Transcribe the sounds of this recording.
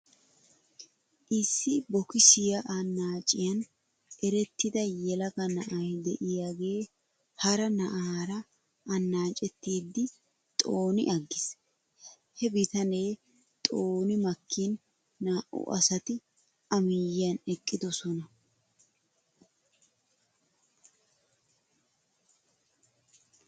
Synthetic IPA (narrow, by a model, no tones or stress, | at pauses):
ʔɪsːɪbɔkɪsɪjɐʔɐnːaːt͡ʃʼɪjɐn | ɛɾɛt̪ːɪd̪ɐjɛlɐɡɐnɐʔɐjd̪ɛʔɪjaːɡe̞ː | hɐɾɐnɐʔaːɾɐː | nːaːt͡ʃʼɛt̪ːiːd̪ːɪ | t̪ʼo̞ːnɪ̰ʔɐɡːɪs | hɛbɪt̪ɐne̞ː | t̪ʼo̞ːnɪmɐkːiːnː | aːʔʊ̰ʔɐ̰sɐt̪ɪ | ɐmɪjɪjɐnɛkʼːɪd̪ɔsɔnɐ